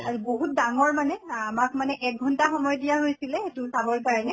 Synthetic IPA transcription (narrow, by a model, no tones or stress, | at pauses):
aɹiboɦut̚daŋɔɹmanɛamak̚manɛʔɛk̚ɡʱɔntaxɔmɔjɔdijaɦojsilɛetʊsabɔɹkaɹɔnɛ